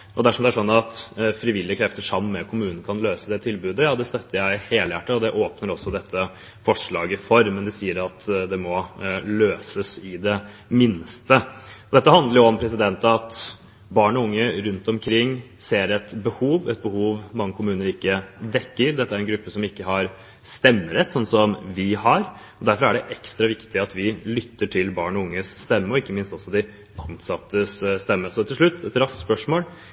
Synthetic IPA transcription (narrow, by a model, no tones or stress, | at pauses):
ʔɔd̪æʂɔmd̪ɛæʂɔnːɑt̪fɾɪʋɪlːɪəkʰɾɛft̪əʂɑmːmɛkʰʊmʉːnn̩əkʰɑnløːsəd̪ɛt̪ʰɪlbʉːd̪əjɑːd̪ɛst̪œt̪ːəɾjæɪheːləjæʈːəɔd̪ɛʔoːpnəɾɔsːɔd̪ɛt̪ʰːə | fɔʂɭɑ̰ːɡɪfɔɾmɛnd̪ɛsiːəɾɑt̪d̪ɛmɔløːsəsɪd̪ɛ | mɪnst̪əɔd̪ɛt̪ːəhɑnd̪əɾjʊɔmpʰɾɛs̬ɪd̪ɛnt̪əɑt̪ | bɑːɳɔʊŋːəɾʉnt̪ɔmkʰɾɪŋːseːɾɛt̪bəhuːʋɛt̪̚bəhuːʋmɑŋːəkʰʊmʉːnəɾɪkːəd̪ɛkːəɾd̪ɛt̪ːəæɾɛnɡɾʉpːəsɔmɪkːəɦɑɾ | st̪ɛmːəɾɛt̪ːsɔnsɔmʋɪhɑɾ | ɔd̪æɾfɔɾæɖɛʔɛkst̪ɾɑʋɪkt̪ɪɑt̪ʋɪlʏt̪ːəʈʰɪlbɑːɳɔʊŋːəsːt̪ɛmːəɔɪkːəmɪnst̪ɔsːɔd̪ɪ | ɑnsɑt̪ːəsst̪ɛmːəsɔt̪ʰɪlʂɭʉt̪ːɛt̪ɾɑst̪spœʂmoːl